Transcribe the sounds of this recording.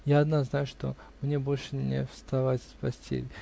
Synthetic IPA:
jaɐd̪naznajʊʂt̪o̞̰ | mnʲebo̞lʲʂɨnʲɪ̰fst̪ɐvatʲspɐsʲtʲʰḛlʲɪ

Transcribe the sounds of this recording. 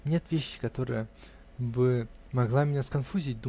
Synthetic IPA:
nʲe̞t̪vʲeɕːɪ̥kɐt̪o̞ɾɨ̰jə | bɨ | mɐɡlˠamʲɪnʲaskɐnfuzʲɪːt̚ʲd̪u

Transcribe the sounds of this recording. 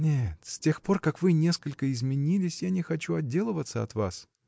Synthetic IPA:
nʲet̪sʲtʲe̞xpo̞rkakvɨnʲe̞skəlʲkəɪzmʲɪnʲilʲɪsʲjanʲɪxɐt͡ɕuɐdʲːe̞lˠəvət̪səɐ̰t̪va̰s

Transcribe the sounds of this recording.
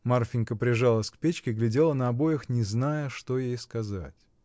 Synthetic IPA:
marfʲɪnʲkəpɾʲɪʐalˠəskpʲet͡ɕkʲɪɡlʲɪdʲelˠənɐɐbo̞jɪxnʲɪznajəʂt̪o̞jejskɐza̰tʲ

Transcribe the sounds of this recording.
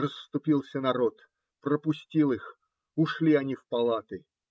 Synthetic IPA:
rəsːt̪ʊpʲilˠsʲənɐɾo̞t̪ | prəpʊsʲtʲilˠɨx | ʊʂlʲiɐnʲifpɐlˠat̪ɨ

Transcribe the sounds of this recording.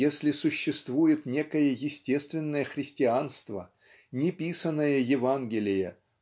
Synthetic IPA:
jesʲlʲɪsʊɕːɪst̪vujɪt̪nʲe̞kəjəjɪsʲtʲe̞st̪vʲɪnːəjəxɾʲɪsʲtʲɪanst̪və̰ | nʲɪpʲisənːəjəjɪvanɡʲɪlʲɪjə

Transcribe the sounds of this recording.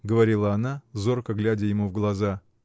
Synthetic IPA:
ɡəvɐɾʲilˠəɐnazo̞rkəɡlʲædʲɪjɪmuvɡlˠɐza

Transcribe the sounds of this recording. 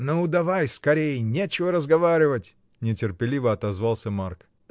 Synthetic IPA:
noʊd̪ɐvajskɐɾʲejnʲet͡ɕɪvəɾəzɡɐvaɾʲɪvətʲ | nʲɪtʲɪrpʲɪlʲivəɐt̪ɐzvalˠsʲəmark

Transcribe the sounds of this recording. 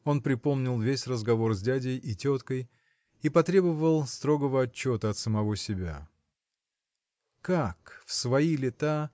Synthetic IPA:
o̞npɾʲɪpo̞mnʲɪlˠvʲesʲrəzɡɐvo̞rzʲdʲædʲɪjʔitʲo̞t̪kəj | ipɐt̪ɾʲe̞bəvəlˠst̪ɾo̞ɡəvəɐt͡ɕːo̞t̪əɐt̪səmɐvo̞sʲɪbʲa̰ | kakfsvɐilʲɪt̪a

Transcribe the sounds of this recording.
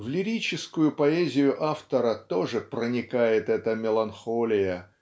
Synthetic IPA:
vlʲɪɾʲit͡ɕɪskʊjʊpɐezʲɪjʊʔaft̪əɾət̪o̞ʐɨpɾənʲɪkajɪt̪ɛt̪əmʲɪlˠɐnxolʲɪjə

